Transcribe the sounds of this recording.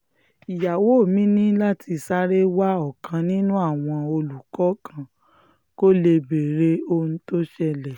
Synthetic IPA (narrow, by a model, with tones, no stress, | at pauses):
i˨ja˨wo˨˦˨mĩ˦nĩ˦la˦tʰi˧sa˦ɾe˦wa˦ɔ˦˨kã˧nĩ˦nũ˦a˦˨w̃ɔ̃˧o˧lu˨kɔ˨˦kʰã˧˨ | ko˦le˧be˨ɾe˧˦o˧ñ̩˦to˦ʃɛ˧lɛ˨